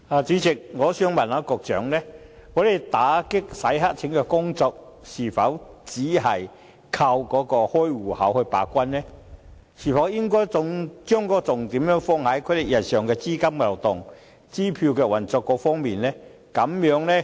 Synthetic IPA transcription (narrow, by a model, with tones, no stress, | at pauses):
aː˨˩t͡siː˨˥t͡sɪ˨k̚ŋɔː˨˧syː˧ŋmɐ˨˩nlaː˨˧kɔː˧k̚t͡ʃœ̰ː˨˥ŋlɛ˥ | ŋɔː˨˥le˨jt̪aː˨˥kɪ˥k̚sɐ˨˥jɦa˥k̚t͡sʰɪ˨˥ŋkɛː˧kʊ˥ŋt͡sɔː˧k̚siː˨˩fɐ˨˥wt͡siː˨˥ɦɐ˨˩j | kʰɐ˧wkɔː˨˥kɔː˧hɔː˥jwuː˨˩hɐ̰˨˥whɵ˧ɥpa̰ː˨˥kʷɐ˥nlɛ˥ | siː˨˩fɐ˨˥wjɪ˥ŋkɔː˥jt͡sʊ˧ŋt͡ʃœː˥ŋkɔː˧˥t͡sʊ˨ŋt̪iː˨˥mjœː˨˥ŋfɔː˧ŋhɐ˨˥jkʰɵ˨˥lɪ˨˩kjɐ˨˩nsœː˨ŋkɛː˧t͡siː˥kɐ˥mka˨˩wt̪ʊ˨˩ŋ | t͡siː˥pʰi˧wkɛː˧wɐ˨˩nt͡sɔː˧kːɔː˧fɔː˥ŋmiː˨nlɛ˥ | kɐ˨˥mjœː˨˥ŋlɛ˥